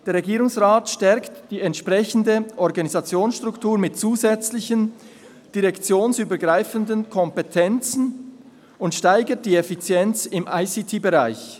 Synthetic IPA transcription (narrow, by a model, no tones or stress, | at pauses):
d̥eːɐɾʁɛɡiːɾʊŋsʁaːtʃtɛɾktd̥iːɛntʃpʁɛçən̩dəʔɔʁɡɑnizɑt͡sjoːnsʃtʁʊktuːɾmɪtt͡suːzɛt͡slɪçən | d̥iʁɛkt͡sjoːnsyːbəɡʁaɪfəndənkʰɔmpɛtʰɛnt͡sn̩ | ʊntʃtaɪɡət̚d̥iːɛfit͡sjɛnt͡sɪmʔaɪsitʰiːbeʁaɪç